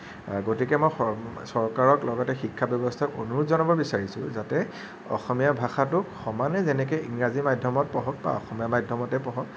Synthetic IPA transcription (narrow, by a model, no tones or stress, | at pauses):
ɡotikɛmɔjɔsɔɹkaɹɔklɔɡɔtɛxikʰːabjɔbɔstʰakunuzɔnɔbɔbisaɹisʊ̰zatɛ | ɔ̰xɔmijabʱaxatʊkxɔmanɛzɛnɛk̬ɛiŋɹazimajdʱɔmɔt̚pɔɦɔk̚ba̰ɔ̰xɔmijamajdʱɔmɔtɛpɔɦɔk